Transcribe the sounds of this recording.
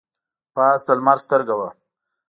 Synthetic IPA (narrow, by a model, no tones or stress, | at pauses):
pɑːsd̪əlmaɾst̪əɾɡawa